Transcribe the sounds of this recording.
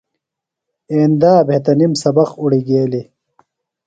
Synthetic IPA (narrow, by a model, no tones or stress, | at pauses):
eːnd̪aːbʱet̪ɐnimsɐbɐquɽiɡeːli